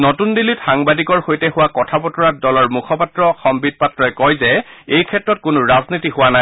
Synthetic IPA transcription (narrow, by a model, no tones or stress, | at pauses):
notundilitxaŋbadikɔɹxojtɛhʊwakɔtʰapɔtʰɔɹat̚dɔlɔɹmukʰɔpatɹɔxɔmbid̚patːɹɔɛkɔjzɛejkʰɛtɹɔt̚kʊnʊɹaznitiɦʊwanaj